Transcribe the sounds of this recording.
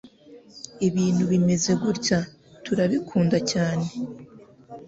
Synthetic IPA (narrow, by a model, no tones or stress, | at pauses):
iβiːn̥huβime̞ze̞ɡuɾca | tuɾaβikʰuːndacaːne̞